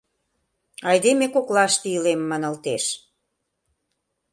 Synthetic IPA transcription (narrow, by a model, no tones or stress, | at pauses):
ɑjd̪emekoklɑʃt̪iəlemːɑnɤ̆lt̪eʃ